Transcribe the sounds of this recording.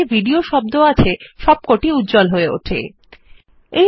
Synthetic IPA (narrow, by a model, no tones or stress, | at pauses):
ebʱiɖioʃɔb̚d̪oat͡ɕʰeʃɔb̚koʈiut̪d͡ʑɔlɦoeo̰ʈʰḛ | e